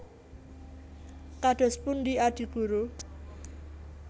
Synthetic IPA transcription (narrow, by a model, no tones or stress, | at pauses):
kaɖ̥ɔ̤spʊndiaɖ̥i̤ɡ̥uɾu